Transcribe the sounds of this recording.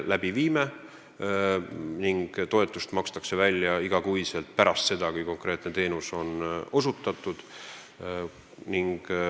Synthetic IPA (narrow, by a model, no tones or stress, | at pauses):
læb̥iviːme | niŋɡ̥t̪o̞e̞t̪ˑːust̪mɑkst̪ɑkse̞vælʲːjɑiɡ̥ɑkujse̞lt̪̚pæɾɑst̪se̞d̪̥ɑkujko̞ŋkre̞ːt̪ne̞t̪e̞ːnuso̞no̞sut̪ːˑɑt̪ːˑud̪̥ | niŋɡ̥